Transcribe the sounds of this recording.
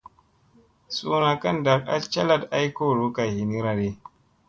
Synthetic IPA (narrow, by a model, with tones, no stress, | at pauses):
sʼuː˦na˨kɐ˦nda˨kʼa̰˦lt͡ʃɐ˦lɐ˦˨dʔa˦jkoː˦˨ɾoː˦ka˨hi˨ni˦ɾa˨ɾe˦